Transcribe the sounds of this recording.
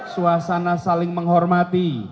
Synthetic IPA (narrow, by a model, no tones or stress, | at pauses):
suasanasalɪŋməŋɦɔrmat̪i